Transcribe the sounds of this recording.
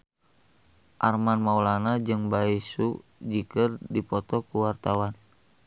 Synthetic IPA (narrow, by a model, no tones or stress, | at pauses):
ʔarmanmaulanad͡ʒɨŋbaisud͡ʒikərdipɔt̪ɔkuwart̪awan